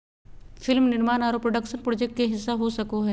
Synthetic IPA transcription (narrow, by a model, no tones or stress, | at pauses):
fɪlmnɪɾmaːnaːɾoːpɾoɖəkʃənpɾoːd͡ʒɛk̚ʈ̚keɦɪsːaɦosɐkoɦɛː